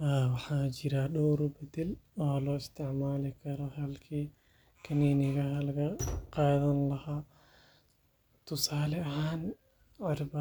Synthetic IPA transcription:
aːwɑħaːd͡ʒɪɾaːɗɔːɾɔbɐd̪ɛloːhɐlɔːɪst̪ʰɪʕmaːlɪkʰɐɾɔhɐlkʰiː | kʰɐniːnɪɣɐhɐlɐɡɐqaːðɐnlɐhaː | t̪ʊsaːlɛɐhaːn | ʕaɾbɐ

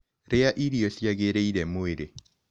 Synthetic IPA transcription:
ɾeaʔiɾiɔɬjaɣeɾeiɾɛmoeɾe

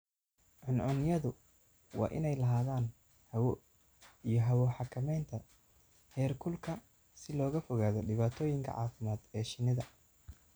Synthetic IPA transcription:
ʕʊnʕʊnɪjɐðʊ | wɑ̰ːʔɪ̰nɛjlɐɦaːðaːn | hɐwɔ | ijɔɦɐwɔħɑkʰɐmɛjnt̪ʰɐ | hɛːrkʰʊlkʰɐ | sɪlɔːɣɐfɔɣaːðɔɖɪβaːt̪ʰɔːjɪŋkʰɐ̰ʕa̰ːfɪmaːd̪ɛːʃɪnɪðɐ

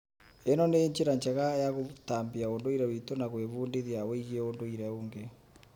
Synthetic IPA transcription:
enɔneɲt͡ʃeɾaɲt͡ʃaɣajaɣotaːmbiaondoiɾɛwitonaɣweβuːndeðjaweiɣieondoiɾɛoːŋɡe

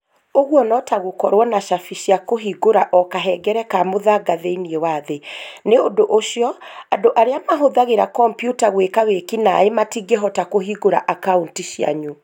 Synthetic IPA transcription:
oɣwɔnɔtaɣokɔɾwɔnaʃafiɕjakoɦiɡoɾaʔɔkaɦɛɡɛɾɛkamoðaɡaðeiniewaðeneodoʔoʃiɔadoʔaɾeamaɦoðaɣeɾakɔmpjutaɣwekawekina̰ematiɡeɦɔtakoɦiɡoɾaʔakauntiʃja̰ɲu

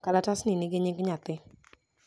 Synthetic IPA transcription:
kalatasnɪnɪɡeɲiɡɲat̪ɪ

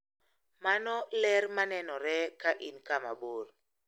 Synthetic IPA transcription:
manɔlɛɾmanɛnɔɾɛkaʔinkama̰bor

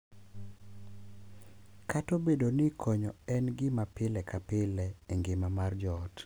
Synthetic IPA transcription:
katobedonɪkʰɔɲɔɛnɡɪmapɪlɛkapɪlɛeŋɡɪmamard͡ʒɔt

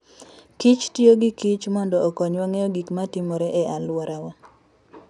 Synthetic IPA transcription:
kit͡ʃtjoɡikit͡ʃmɔndɔːkɔɲwaŋeoɡikmatimoɾeʔɛʔalwɔɾawa

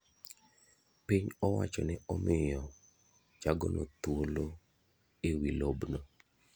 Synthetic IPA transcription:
piɲɔwa̰t͡ʃɔnɛɔmɪjɔ | t͡ʃaɡo̰nʔo̰t̪wolo | ewilobnɔ

